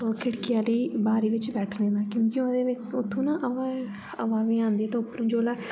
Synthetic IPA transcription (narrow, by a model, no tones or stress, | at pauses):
oːkʰɪɽkɪjaːliːbaːɾiːʋɪt͡ʃbɛːʈʰnẽːd̪aːkjõːkɪõd̪eːʋɪʊt̪ʰːõːnãːʔəʋa | əʋaːʋiːãːnd̪iːɛːt̪ẽːʊpːɾũːd͡ʒoːlaː